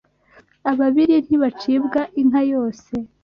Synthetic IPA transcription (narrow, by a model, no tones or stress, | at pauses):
aβaβiɾin̥hiβat͡ʃibɡaʔinhajo̞ːse̞